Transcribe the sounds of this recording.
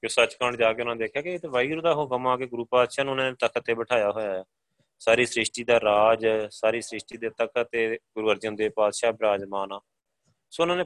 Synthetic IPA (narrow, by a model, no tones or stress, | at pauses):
kosət͡ʃkəɳd͡ʒaːkeːʊnãːed̪eːkʰjaːkeɪt̪ːʋaːiːɾod̪aːɦoːkəmãːkeːɡʊɾuːpaːd̪ʃaːnũːʊnaːneːt̪əkʰət̪ːeːbəʈʰaːjaːɦoːjaːɛː | saːɾiːsɾɪʃʈiːd̪aːɾaːd͡ʒsaːɾiːsɾɪʃʈ̪iːd̪eːt̪əkt̪eːɡʊɾuːəɾd͡ʒʊ̃nd̪eːpaːd̪ʃaːbɾaːd͡ʒmaːnaː | soːʊnãːneː